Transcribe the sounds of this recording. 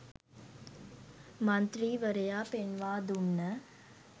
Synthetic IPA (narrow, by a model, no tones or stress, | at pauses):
mɐnt̪ɾiːʋəɾɐjaːpenʋaːd̪umnɐ